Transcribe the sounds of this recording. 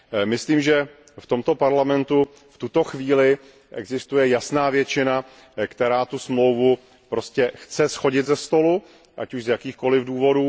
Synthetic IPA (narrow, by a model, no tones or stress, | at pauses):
mɪsliːmʒɛ | ft̪o̞mt̪o̞paɾlamɛnt̪u | ft̪ut̪o̞xviːlɪ | ʔɛ̰ɡzɪst̪ujɛjasnaːvjɛt͡ʃɪna | kt̪ɛɾaːt̪usmlo̞wvu | pɾo̞scɛxt͡sɛsxo̞ɟɪt̪zɛst̪o̞lu | ʔa̰cuʃzjakiːxko̞lɪvduːvo̞duː